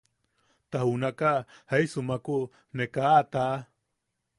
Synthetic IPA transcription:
t̪ahunakahajsumaku | nekaːt̪a

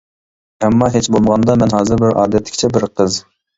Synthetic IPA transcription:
ɛmːɑɦet͡ʃbolˠməʁɑnd̪ɑmɛnɦɑːzɨɾbɪɾʔɑːd̪ɛt̪ʰlːɪ̥kʲt͡ʃʰɛbɪɾqʰəz

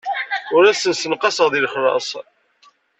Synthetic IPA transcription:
ʊɾæsənsənqɑsəʁðilχɾˤɑ̰sˤ

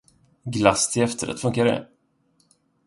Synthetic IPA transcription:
ɡlast̪ʰɪɛft̪ʰəɾɛ̰t̪fɵŋkaɾɛ̰

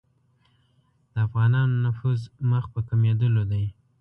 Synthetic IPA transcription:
d̪̥əafɣɑnɑnonafuzməxpəkamed̪əlod̪aj

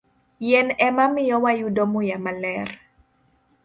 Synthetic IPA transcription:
jɛnɛmamɪjɔwajudomojamalɛr

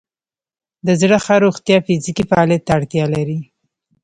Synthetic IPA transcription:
d̪əzɽəxaɾoxt̪jɑfɪzikifaɑljat̪ːaːɽt̪jɑlaɾi

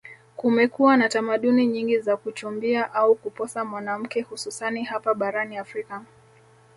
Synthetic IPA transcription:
kumɛkuwanatamaɗuniɲiŋɡizakut͡ʃumbiaʔaukupɔsamwanam̩kɛhususanihapaɓaɾaniafɾika

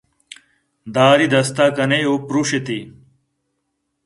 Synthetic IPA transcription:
d̪aːɾid̪ɐst̪aːkɐneoːpɾuɕet̪i

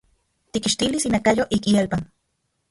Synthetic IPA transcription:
t̪ikiʃt̪ilisinakajoʔikielpan

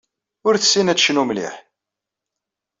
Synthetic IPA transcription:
ʊɾθə̥sːinæt͡sːʃnumlḭħ

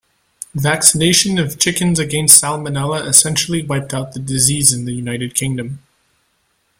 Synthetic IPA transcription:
væksɨneɪʃɨ̃nʌv̥t͡ʃʰɪkɨ̃nzɨɡɛ̃nstsælˠmɨnɛlˠəʔɨsɛ̃nʃl̩ˠiwaɪp̚taʊt̪̚ðɨdɨzizɨ̃nðɨjʉnaɪɾɨd̚kʰɪ̃ŋdɨ̃m

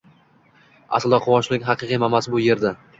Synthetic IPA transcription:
a̰sɪld̪ɒqʰʊwɒʃlɪkʲɦɑqɨqʰijmamasbʊje̞ɾd̪a

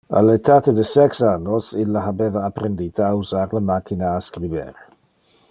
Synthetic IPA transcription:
a̰lɛtʰatʰədəsɛksanɔsɪlaɦabɛðaapʰrɛnditʰawsarləmakʰɪnaːskribɛ̰r

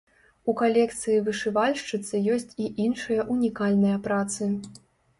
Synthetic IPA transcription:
ukalʲɛkt̪sɨjivɨʂɨvalʲʂt͡ʂɨt̪sɨjɔsʲt͡sʲiʔinʂɨjɐʔunʲikalʲnɐjɐpɾat̪sɨ

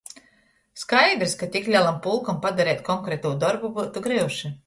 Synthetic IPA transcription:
skajd̪ɾskat̪ʲiklʲalˠampulˠkampad̪aɾɛːt̪ʲkɔŋkɾɛt̪uːd̪ɔɾbubut̪uɡɾiwʃi

